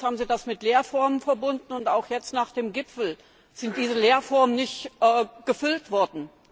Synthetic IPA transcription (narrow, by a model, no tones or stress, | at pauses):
haːbm̩ziːdasmɪtleːɐfɔɐmənfɛɐbʊndn̩ʊntaʊxjɛt͡stnaːχd̥eːmɡɪpfl̩ | z̥ɪnt̚d̥iːzəleːɐfɔɐmənɪçtʔɛːɡ̥əfʏltv̥ɔɐdn̩